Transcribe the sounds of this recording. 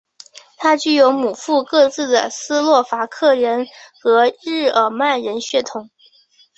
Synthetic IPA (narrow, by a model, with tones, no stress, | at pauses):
t̪ʰa˥t͡ɕy˥˩jo˧˥ʊmu˨˩fu˥˧kɤ˥˧t͡sɹ̩˥˩d̪ə̰˩sɹ̩˥lwɔ˥˩fa˧˥kʰɤ˥˩ɻə˧˥nxɤ˧˥ɻɻ̩˥˩ə˨˩ma˥˩nɻə˧˥nɕɥɛ˥˩t̪ʰʊ˧˥ŋ